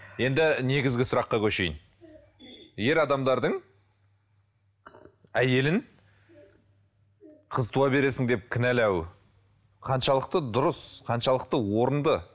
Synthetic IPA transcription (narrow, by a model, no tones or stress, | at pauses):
je̞nd̪ɪne̞ɡʲɪzɡʲɪsʊɾɑqːɑkʲʰɵʃe̞jɪn | je̞ɾɑd̪ɑmd̪ɑɾd̪əɴ | æje̞lɪn | qʰəzt̪ʰuɑbe̞ɾe̞sɪŋd̪e̞p̚kʲʰɪnælæw | qʰɑnʃɑlˠəq̚t̪əd̪ʊɾəsqʰɑnʃɑlˠəq̚t̪əwo̞ɾənd̪ə